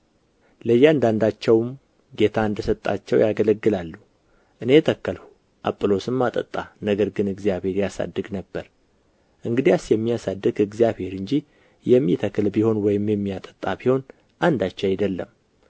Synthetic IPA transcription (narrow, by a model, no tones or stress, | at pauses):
ləjːɛand̪and̪at͡ʃːɛwm | ɡe̞t̪ʰaɨnd̪əsət̪ʼːa̰t͡ʃːɛwjaɡələɡːɨlalːu | ʔɨne̞t̪ʰəkːəlhu | ʔa̰pʼɨlo̞sɨmːat̪ʼə̰t̪ʼːanəɡəɾɡɨnɨɡzjaβhe̞ɾjasa̰d̪ːɨɡnəbːəɾ | ʔɨŋɡɨd̪ijasjɛmːijasad̪ːɨɡɨɡzijaβhe̞ɾɨɲd͡ʒi | jɛmːit̪ʰəkːlbiho̞nwɔjɪmjɛmːijat̪ʼə̥t̪ʼːabiho̞n | ʔand̪at͡ʃːɛajd̪əlːə̰m